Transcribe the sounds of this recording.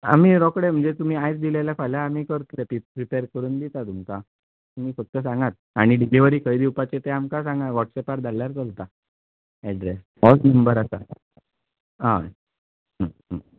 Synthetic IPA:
a̰miːɾɔkɽem̤əɳd͡zet̪um̤iːajt͡sd̪ilajlakʰajlaːmiːkəɾt̪let̪ipɾipeɾkəɾuːnd̪it̪at̪umka | t̪um̤iːfək̚t̪əsãŋɡat̪̚aɽ̃iɖiliʋəɾiːkʰəjd̪iwpat͡ɕet̪eamkasãŋɡaʋɔʈsɛpaɾd͡z̪ʱalːaɾt͡səlt̪a | ɛɖɾes | mɔsnəmbəɾasa | a̰ | ɦəə

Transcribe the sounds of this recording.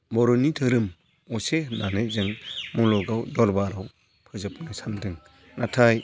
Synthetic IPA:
bɔɾɔnitʰɯɾɯm | ɔsenanɯjzɯŋmɔlɔɡawdɔlbaɾaw | pʰɯzɯpnajsandɯŋ | natʰaj

